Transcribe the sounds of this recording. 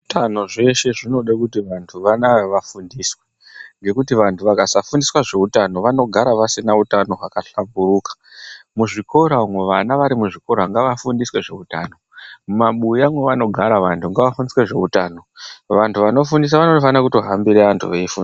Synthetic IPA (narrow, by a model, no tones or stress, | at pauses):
utano̞ʐe̞ʃe̞ʐino̞ɗakutiʋantʰuʋanaeʋafundiːswe̞ | ŋɡe̞kutiʋantʰuʋakasafundiswaʐe̞utano̞ʋano̞ɡʱaɾaʋasinautano̞ɦakaɬambuɾuːkḁ | muʐiko̞ɾamweʋanaʋaɾimuʐiko̞ɾaŋɡaʋafundiswe̞ʐe̞̰utaːno̞mumaɓujamwe̞ʋano̞ɡʱaɾaʋantʰuŋɡaʋafundiswe̞ʐe̞utaːno̞ʋantʰuʋano̞fundis̬aʋanotfanakuto̞ɦambiɾeantʰṵʋeifuːndi